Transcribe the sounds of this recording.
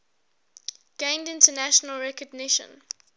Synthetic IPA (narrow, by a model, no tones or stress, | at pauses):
ɡ̥ẽɪ̃ndɪ̃ntənæʃənəlɹɛkəɡnɪʃə̰̃n